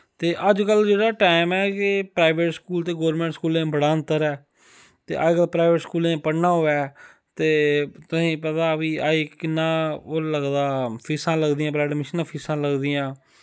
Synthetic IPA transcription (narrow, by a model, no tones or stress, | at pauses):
t̪eːʔəd͡ʒkəld͡ʒeːɽaːʈaːɪmɛːkɪpɾaːɪʋeʈskuːlt̪eːɡoːɾmẽːɳʈskuːlẽːbəɽaːənt̪əɾɛː | t̪ḛːʔa̰ːikəlpɾaːʋəʈskuːlẽːpəɽnaːɦoːɛː | t̪eːt̪ʊsĩːpət̪aːbĩːaːiːkɪnːãːoləɡd̪aːpʰiːsãːləɡd̪iːãːblaːɖmɪʃənãːpʰiːsãːləɡd̪iːãː